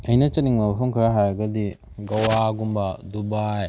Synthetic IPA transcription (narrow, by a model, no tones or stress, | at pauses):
ainat͡ʃaniŋmaɦuŋkaɾaɦaɾaɡadi | ɡawaɡumbadubae